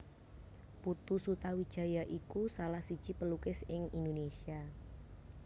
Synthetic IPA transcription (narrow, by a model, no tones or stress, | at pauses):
put̪usut̪awid̥ʒ̥a̤jaʔikusalahsid̥ʒ̥ipəlukɪsɪŋindonesia